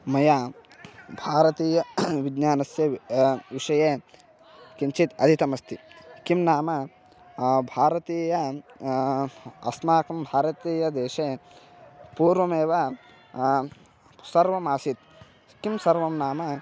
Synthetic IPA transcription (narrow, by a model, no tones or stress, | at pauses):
mɐjaː | bʱaːɾɐt̪iːjɐʋiɡɲaːnɐsjɐʋiʂɐjeː | kint͡ʃit̪ɐ̰d̪ʱit̪ɐmɐst̪ʰikimnaːmɐ | bʱaːɾɐt̪iːjɐ | ɐ̰smaːkɐmbʱaːɾɐt̪iːjɐd̪eːʃe | puːɾʋɐmeːʋɐ | sɐɾʋɐmaːsit̪̚ | kimsɐɾʋɐmnaːmɐ